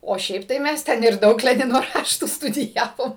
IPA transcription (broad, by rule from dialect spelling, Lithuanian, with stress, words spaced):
oː ˈʃʲɛɪp tɐɪ ˈmʲɛs ˈtʲɛn ɪr ˈdɐʊk ˈlʲæːnʲɪnoː ˈrɑːʃtuː stʊdʲɪˈjæːʋoːm